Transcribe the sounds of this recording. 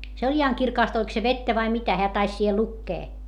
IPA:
se olʲ ihɑŋ kirkɑˑst olʲk se ʋetːæ ʋɑi mitæ heæ tɑis siːhe lukːeː

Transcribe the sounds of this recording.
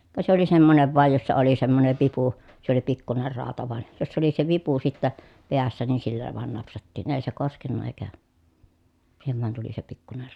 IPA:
kɑ se oli semːoneʋ ʋɑˑej josːɑ oli semːoneʋ ʋipu se oli pikːuner rɑˑotɑ ʋɑˑen josːɑ oli se ʋipu sitːæ peæsːæ niːn silːæ ʋɑˑen nɑpsɑtːiːn eˑi̯ se koskenːɑ eˑi̯kæ siːheʋ ʋɑn tuli se pikːuner

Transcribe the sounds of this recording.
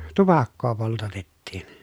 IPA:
tupɑkːoː poltɑtetːiːn

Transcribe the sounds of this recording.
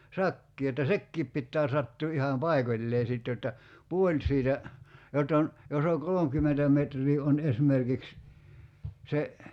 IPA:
sɑkːiː etːæ sekːiːp pitːæː sɑtːuː ihɑm pɑikolʲleː sit jotːɑ puolʲ siːtæ jotː on jos o kolomkymːentæ metrˑiː on esmerkiks se

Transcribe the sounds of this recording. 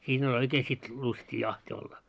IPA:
siːn olʲ oikeː sit lustiː jɑhti olːɑ

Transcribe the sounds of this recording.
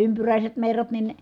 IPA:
ympyræˑiset merːɑt nin

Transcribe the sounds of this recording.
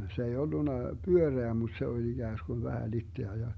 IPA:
se ei olːunɑ pyøreæ mut se olʲ iɡ̊æːsɡ̊un ʋæhæ litːeæ jɑ

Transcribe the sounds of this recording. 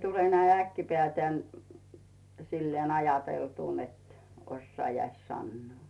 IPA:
tule næi ækːipĕæˑtæn silːeːn ɑjɑteltuˑ net osːɑːjɑis sɑnːŭoˑ

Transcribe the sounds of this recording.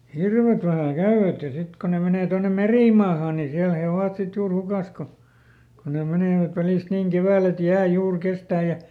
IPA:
hirʋet ʋæhæ kæyʋæt jɑ sit ko ne meneˑ tonːem̆ meriˑmɑːhɑː niː siæl he oʋɑt sit juːr hukɑˑs ko ko ne meneˑʋæt ʋæliˑst niːŋ keʋæːl et jæː juːr kestæː jɑ

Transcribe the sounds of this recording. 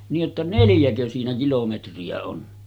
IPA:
niːʔ ʔetːæ neljækø siːnæ kilometriæ on

